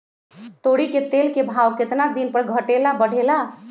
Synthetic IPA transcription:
t̪oɽiket̪elkebʱawket̪nad̪inpəɾɡʱəʈelabəɽʱela

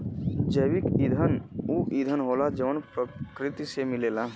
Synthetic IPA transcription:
d͡ʒəjʋikid̪ʱənuʔid̪ʱənɦoːlad͡ʒəʋənpɾəkɾɪt̪isemileːlã

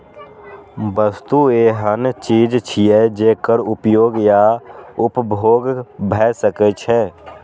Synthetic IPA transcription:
bəst̪ueːɦənt͡ʃiːd͡ʒt͡ʃʰied͡ʒeːkəɾʊpjoːɡjaʊpbʱoːɡbʱɛːsəkət͡ʃʰɛː

